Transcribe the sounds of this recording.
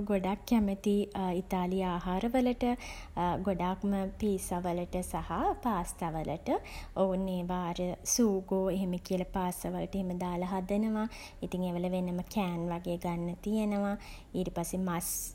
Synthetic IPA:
ɡoɖakːæmət̪iit̪aːlijaːɦaːɾəʋələʈəɡoɖakməpiːsaʋələʈəsahapaːst̪aʋələ̰ʈəounːeːʋaːɾəsuːɡoːeɦeməkiəlɐpaːst̪aʋələʈeɦeməd̪aːlɐɦad̪ənəʋa | it̪iŋeːʋələʋenəməkɛːnʋaɡeːɡanːɐt̪ijenəʋa | iːɾipasemas

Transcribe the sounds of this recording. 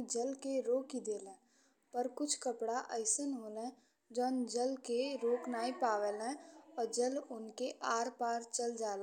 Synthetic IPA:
d͡ʒəlkeɾoːkid̪eːlɛ̃ː | pəɾkʊt͡ʃʰkəpɽaʔəɪsənɦoːlɛ̃ | d͡ʒɔːnd͡ʒəlkeɾoːknaːipaːʋelɛ̃ɔːɾd͡ʒəlʊnkeʔaːɾpaːɾt͡ʃəld͡ʒaːl

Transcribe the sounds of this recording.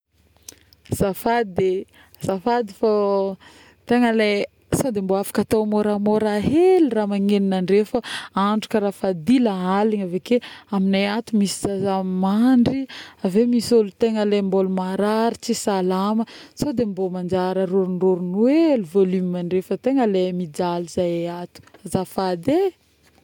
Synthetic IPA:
z̥afad̪e | zafad̪ifa | t̪eŋəle | sod̪emboafḁkat̪omoɾamoɾaɦeluramaŋeninaɳɖ͡ʐefəaɳɖ͡ʐukəɾafad̪ilaaliŋavekeaminajat̪umisizazammaɳɖ͡ʐiavemisolut̪eŋəlembolumaɾaɾit͡sisalamə | sad̪embomand͡ʒaɾəɾuɾunruɾunueluvolymiaɳɖ͡ʐefət̪eŋəlemid͡ʒalizajeat̪u̥azafad̪e

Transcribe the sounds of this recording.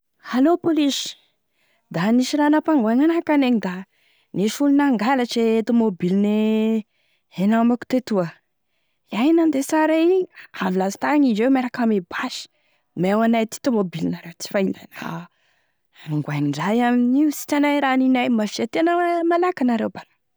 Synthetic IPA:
halopoliʃi̥ | d̪aniʃiɾanapaŋɡwaŋanakaneɲid̪a | neʃulunaŋɡalaʈ͡ʂet̪omobilne | enamaku̥t̪et̪uə | iajnand̪esaɾaiavilazi̥t̪aɲid͡ʒewmeɾakamebaʃi̥ | mewanajt̪i̥t̪omobilinaɾewt͡si̥faina̰na̰ | ŋɡwaŋiɳɖ͡ʐajaminiusi̥ʈ͡ʂanajɾaninajmafiat̪enəmalakanaɾewbala

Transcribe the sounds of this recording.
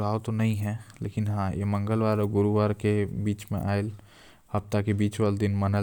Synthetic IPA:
laːwt̪onɐɦĩɦɛ̃ːlḛːkɪnɦãjḛmɐ̃ŋɡəlʋaːɾɔɡʊɾuʋaːɾkebiːt͡ʃmḛ̃ʔaːel | hɐpt̪akebiːt͡ʃʋəld̪ɪnmɐnə

